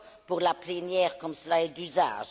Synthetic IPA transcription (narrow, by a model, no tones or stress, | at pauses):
puʁlaplɛnjɛːʁkɔmsəlaɛd̪yza̰ːʒ